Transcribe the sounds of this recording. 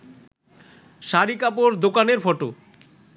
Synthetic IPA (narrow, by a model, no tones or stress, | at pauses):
ʃaɾikapoɾd̪okaneɾfɔʈo